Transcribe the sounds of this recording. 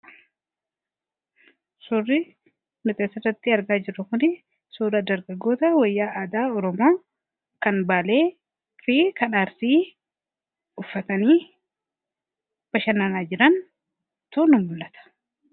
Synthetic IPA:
sʊrːɪ | nɔt̪ʼeːsɐrɐt̪ːɪɐɾɡaːd͡ʒɪɾːʊkʊnɪ | suːɾɐd̪ɐɾɡɐɡoːt̪ɐwɐjːaːʔaːd̪aːɔɾɔmo̞ː | kɐnbaːle̞ː | fɪkɐnaːɾsiː | ʊfːɐt̪ɐniː | b̥ɐʃɐnɐnaːd͡ʒɪɾɐn | t̪uːnʊmmʊlːɐt̪ɐ̥

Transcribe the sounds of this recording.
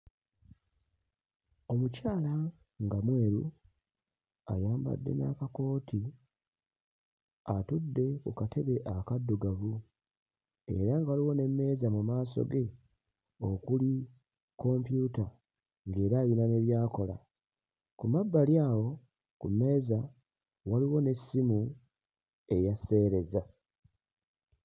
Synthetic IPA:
o̞mucaːla | ŋɡamwe̞ːɾu | a̰jaːmba̰dːe̞̰na̰kako̞ːti | atudːe̞kukate̞βe̞ʔakadːuɡavu | e̞̰ɾaŋɡaaliwo̞ne̞mːe̞ːzamumaːso̞̰ɡe̞ | o̞kuli | ko̞mpjuta | ŋɡe̞ːɾaːjinane̞βjaːko̞la̰ | kumabːaljaːwo̞ | kumːe̞ːza | waliwo̞ne̞sːimu | e̞jase̞ːɾe̞za

